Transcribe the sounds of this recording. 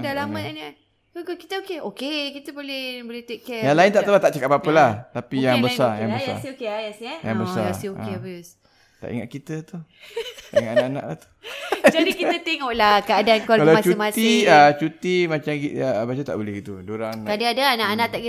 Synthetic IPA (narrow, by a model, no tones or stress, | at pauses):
dalamãnnə | okokit̪əokeokekit̪əbolɛhbolɛt̪ekɛjaŋlaint̪aʔ̪əlat̪aʔt͡ʃəkapapəlaht̪apijaŋbəsaja̰ŋbəjsa̰siokeajasɛja̰ŋbəssa̰aiokebus | t̪a̰ʔḭŋaʔ̚kit̪ət̪u | t̪aiŋat̪anaʔana̰ʔla̰ht̪u̥d͡ʒadikiət̪eŋɔʔlahkəadankwaalaast͡ʃumasiət͡ʃut̪imat͡ʃamɡiəbat͡ʃət̪a̰ʔbolɛhɡit̪udoɾaŋkadaadaanaʔanãʔt̪aʔɡi